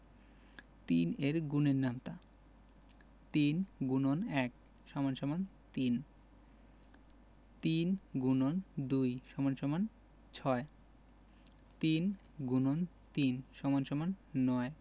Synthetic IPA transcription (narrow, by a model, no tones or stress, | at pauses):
t̪ḭneɾɡuneɾnamt̪a | t̪inɡunonɛk | ʃɔmanʃɔman | t̪in | t̪inɡunond̪ujʃɔmanʃɔman | t͡ɕʰɔe | t̪in | ɡunon | t̪inʃɔmanʃɔmanːɔe